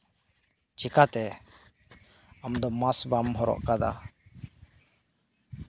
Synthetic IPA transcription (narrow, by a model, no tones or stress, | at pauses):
t͡ʃikat̪ɛ | amd̪ɔmasbamɦɔɾɔ̰ʔkad̪a̰